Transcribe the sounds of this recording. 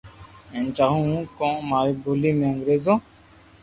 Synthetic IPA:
ɛnt͡ʃaɦũkɔ̃maɾbolimɛŋɡɾezɔ̃

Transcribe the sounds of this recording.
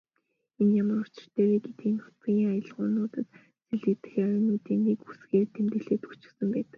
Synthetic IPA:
enjamə̆rʊt͡ɕɪ̥̆r̥t̪æːɾeːɡet̪ɡiːnʊ̥ɡʲiːŋajə̆ɮʁʊːnʊːt̪ə̆t̪ | t͡seɮet̪ɘ̥̆xeːœjʊːnuːt̪iːnikusɡeːrt̪ʰemt̪ɘ̆ɮeːt̪u̥t͡ɕɪ̥̆sə̆mpæːt̪ə̆k

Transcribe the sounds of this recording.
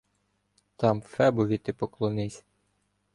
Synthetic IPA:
t̪ɑmfɛbʊʋʲit̪ɪpɔklˠɔnɪsʲ

